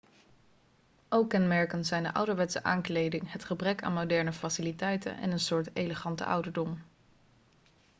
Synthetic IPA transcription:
ʔowkɛnmɛɹkənzɛjndəʔʌ̰wdəɹʋɛtsə̰ʔaːŋklejdɪŋɦətχəbrɛka̰ːnmowdɛɹnəfasilitɛjtə̰nʔɛ̰nənsʊːɹtejləχɑntə̰ʌ̰wdəɹdɔm

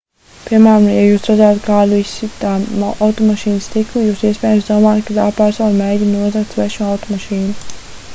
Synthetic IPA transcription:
piɾmæːɾamjajuːsɾad̪zajt̪kaːd̪uissit̪aːʔawt̪ɔmaʃiːnst̪iklujuːsiɛsʲpʲɛːjamsd̪uɔmaːjat̪̚kat̪aːpaɾsaːnmɛːɟʲinuɔzakt̪svɛʃmuawt̪ɔmaʃiːnu

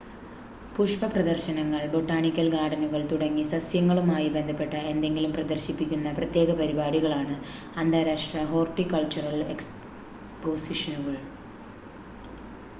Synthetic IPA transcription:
puʂpɐprɐd̪ɐrɕɐnɐŋːɐɭbo̞ʈːaːɳikʲːɐlɡaːɽɐnuɣɐɭt̪uɽɐŋːisɐsjɐŋːɐɭumaːjibe̞nd̪ʱɐpːe̞ʈːɐe̞nd̪e̞ŋɡilumprɐd̪ɐrɕipːikʲːunːɐprɐt̪je̞ːɣɐpɐɾibaːɽiɣɐɭaːɳɨ | ɐnd̪aːɾaːʂʈrɐɦo̞ːrʈːikɐɭt͡ɕurɐleks | poːsiʂɐnuɣɐɭ

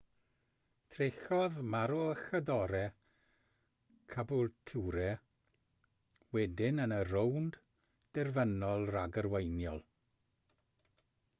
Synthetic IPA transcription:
tʰrexɔðmaɾɔəxədɔɾɛ | kʰabʊlˠtʰuɾɛ | wɛdɪnənərownd | d̥ɛrvənɔlˠraɡərwejnjɔlˠ

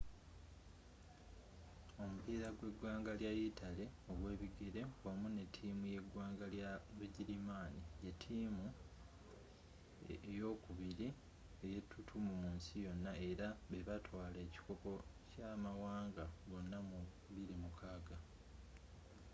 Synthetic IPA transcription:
o̞mupiːɾaɡwe̞ɡwaːŋɡaljajitʰale̞o̞ɡwe̞ːβiɡeɾe̞omune̞tʰːiːmuje̞ɡwaːŋɡaljaβeɟilimaːnije̞tʰːiːmu | ejo̞ːkuβiɾi | eje̞tʰːutʰumumuːnsijo̞nːae̞ɾaβe̞βatwaːleːci̥koko̞ | camawaːŋɡaβo̞nːamu | βiɾimukʰaːɡa

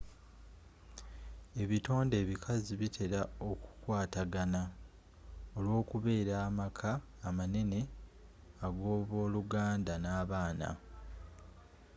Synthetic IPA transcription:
e̞βito̞ːnde̞ːβikʰaziβitʰe̞ɾao̞ku̥kwaːtaɡana | o̞lwo̞ːkuβe̞ːɾaːmakʰaː | mane̞ne̞ | aɡo̞ːβo̞ːluɡaːndanaːβaːna̰

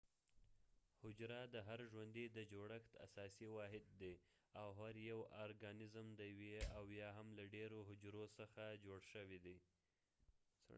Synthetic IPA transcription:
hʊd͡ʒɾad̪əɦaɾʒwand̪id̪əd͡ʒoɽəxt̪a̰sɑsiwɑɦɪd̪̚ːe | awɦaɾjawɑɾɡɑnɪzmd̪əjaweawjɑɦamlaɖeɾoɦʊd͡ʒɾosəxad͡ʒoɽʃəwid̪i | s

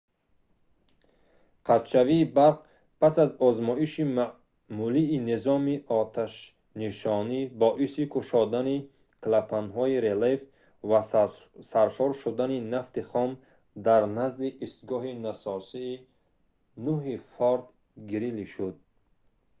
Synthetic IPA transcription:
qʰat̪ʃaviːbaq | pʰasazɔzmɔiʃima | muliːnezɔmiʔɔt̪ʰaʃ | niʃɔnibɔʔisikʰuʃɔd̪ani | klapʰanɦɔiɾelef | vasaɾʃɔɾʃud̪aninaft̪iχɔm | d̪aɾnazliʔːst̪ɡɔɦinasɔsiː | nuɦifɔɾd̪ | ɡiɾiliʃud̪̚

